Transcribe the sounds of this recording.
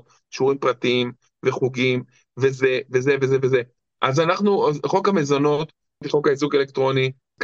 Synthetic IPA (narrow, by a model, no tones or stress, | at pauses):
ʃuʁimpʁatiim | veχuɡim | vezevezevezeveze | ʔazanaχnuχo̞kamezono̞t̪ | t̪iχo̞kaizuɡele̞kt̪ʁo̞ni | k